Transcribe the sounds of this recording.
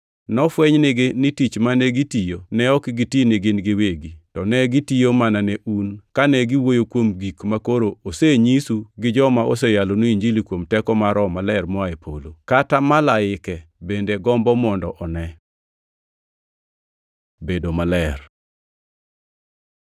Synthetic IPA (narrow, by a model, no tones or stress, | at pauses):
nɔfwɛɲnɪɡɪnɪtit͡ʃmanɛɡitijonɛɔkɪɡitinɪɡɪnɡɪweɡitɔnɛɡitijomananɛʔunkanɛɡiwojokwomɡikmakoɾooseɲisuɡɪd͡ʒɔmaʔosɛjalonoiɲd͡ʒilikwomtɛkɔmaɾɔmalɛrmɔaepʰolokatamalaɪkɛbendeɡɔmbɔmɔndɔʔɔnɛ | bedomalɛr